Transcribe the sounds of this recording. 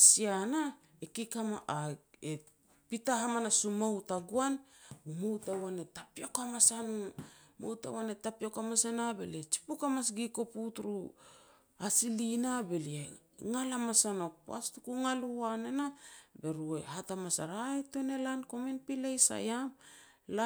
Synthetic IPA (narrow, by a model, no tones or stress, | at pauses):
siana | ekikamaʔae | pitaɦamanasumawtaɡuanbumowtawanetapiokamasanumo̰wta̰wanetapiokamasanabe̞̰liet͡ʃi̥pukamasɡiko̞putɾu | asilinabe̞lie | ŋalamasanok̚pa̰stukuŋaluanenabe̞ɾuehatamasa̰ɾajtone̞lanko̞minpilejsa̰jam | la